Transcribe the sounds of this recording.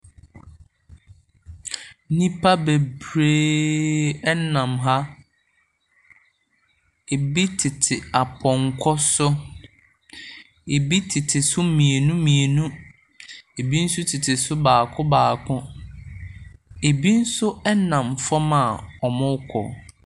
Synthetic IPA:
nĩ˦pʰa˦be˨bɾe˦ | ɛ˦nã˨mɦa˦ | e˨bi˦tʰɪ˨tʰɪ˨a˨pʰɔ̃˨ŋkʰɔ˦sʊ˦ | e˨bi˦tʰɪ˨tʰɪ˨sʊ˦mĩ˨e˨nũ˦mĩ˨e˨nũ˦ | e˨bi˦n̩˦sʊ˦tʰɪ˨tʰɪ˨sʊ˦baː˨kʰʊ̃˦baː˨kʰʊ̃˦ | e˨bi˦n̩˦sʊ˦ɛ˦nã˨mfɔ˦mã˨ɔ˨mʊ̃˦kʷʰɔ̰˨

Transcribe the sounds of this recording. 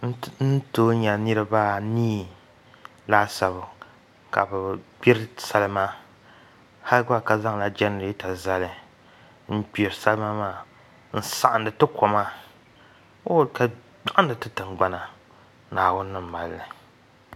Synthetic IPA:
n̩˦toː˦ɲa˨nɨ˦ɾɨ˦ba˦niː˦ | laː˦sa˨βɨ˨ | ka̰˨bɨ˨ɡ͡bi˦ɾsa˦lɨ˦ma˦ | ha˦lɨ˦ɡa˦˨ka˨za˦ŋla˦d͡ʒɛ˦n˨i˦ta˨za˦lɨ˨ | n̩˦bi˨ɾɨ˨sa˦lɨ˦ma˦maː˦˨ | n̩˦sa˨ʔa˨ndɨ˨tɨ˦ko˨ma˦ | o˦˨ka˨ | ɡ͡ba˦˨ʔa˦n˦dɨ˨tɨ˦tɨ˨ŋɡ͡ba˦na˨ | naː˨wʊ˦nː˦ɨ˦m̩˨ma˨lːɨ˨

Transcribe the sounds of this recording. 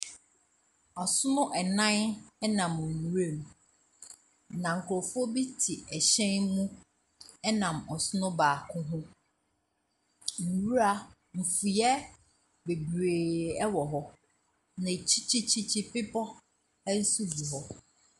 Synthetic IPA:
ɔ˨sʊ˦nʊ̃˦ʔɛ˨nã˦nɛ˦nã˨m˨n˨wu˦ɾe˦˨m˨ | nã˨ŋ̩˨kʰʊ˨ɾo˨fʊ˦ɔ˦bi˦tʰi˨ɛ˨ɕɛ̃˦nmũ˦ | ɛ˦nã˨mɔ˨sʊ˦nʊ̃˦baː˨kʰʊ̃˦ɦʊ̃˦ | m̩˨wu˦ɾa˨ | m̩˨fu˨jɛ˦ | be˨bɾeː˨ɛ˦wɔ˨ɦɔ˦ | nã˨t͡ɕʰi˦t͡ɕʰi˦t͡ɕʰi˦t͡ɕʰi˦pɪ˦pʰɔ˦ | ɛ˦n̩˦su˦bu˨ɦɔ˦

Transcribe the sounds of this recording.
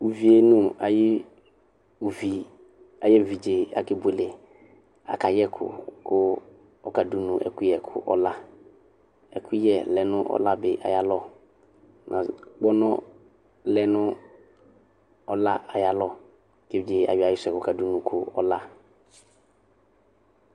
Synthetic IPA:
u˨vi˨e˨nũ˦a˨jɪ˦ | u˨vi˨ | a˨jɛ˦u˨vi˨d͡ʒe˨a̰˨kɪ˨be˨lɪ˨ | a̰˨ka˨jɛ˦kʰʊ̰˨kʊ˦ | ɔ˦ka˨du˦nũ˨ʔɛ̰˨kʊ˦jɛ˨kʰʊ̰˦ʔɔ˦la˦ | ɛ˨kʰu˦jɛ˨lɛ˨nʊ̃˦ʔɔ̰˦la˦bɪ˨ʔa˨ja˨lɔ˦˨ | nʔã̰˨k͡pɔ˦nɔ̃˦ | lɛ˦nʊ̃˦ | ɔ˦la˦a˨ja˨lɔ˦˨ | ke˦˨d͡ʒe˨a̰˨wɪ˨a˨jɪ˦sʊ˨ɛ˨kka˨du˦nũ˨kʰʊ˦ɔ̰˦la˦

